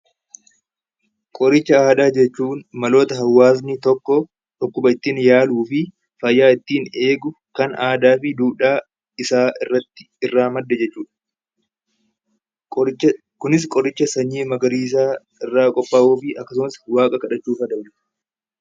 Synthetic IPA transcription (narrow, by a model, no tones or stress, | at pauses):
kʼɔɾɪt͡ʃːɐaːd̪aːd͡ʒɛt͡ʃːuːnmɐlo̞ːt̪ɐɦɐwːaːs̬nɪt̪ɔkːɔ | ᶑɔkːʊbɐɪt̪ːiːnjaːluːfɪ | fɐjːaːɪt̪ːiːne̞ːɡʊ | kɐnaːd̪aːfɪd̪uːᶑaː | ɪsaːʔɪrːɐt̪ːɪ̥ | ɪrːaːmɐd̪ːɛd͡ʒɛt͡ʃːuːᶑɐ̥ | kʊnɪs̬kʼɔɾɪt͡ʃːɐsɐɲːiːmɐɡɐɾiːs̬aː | ɪrːaːkʼɔpːaːʔuːfɪʔɐkːɐs̬ʊmɐswaːkʼɐkɐᶑɐt͡ʃːuːfɐd̪ɐbnɪ̥